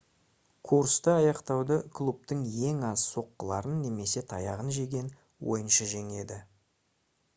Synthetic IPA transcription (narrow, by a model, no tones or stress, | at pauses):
kʰuɾst̪əɑjɑqt̪ɑwd̪əkʰlˠup̚t̪əŋje̞ŋɑzso̞qːəlˠɑɾənːe̞me̞se̞t̪ʰɑjɑʁənʒe̞ɡʲe̞n | wo̞̰jənʃəʒe̞ŋe̞d̪ɪ